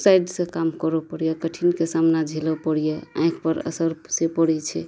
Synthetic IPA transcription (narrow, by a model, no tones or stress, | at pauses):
sajɖsẽkamkəɾɔpəɽijekəʈʰinkesamnad͡ʒʱilɔpəɽijeã̰j̃kʰpəɾə̰səɾsepəɽɛt͡ʃʰɛ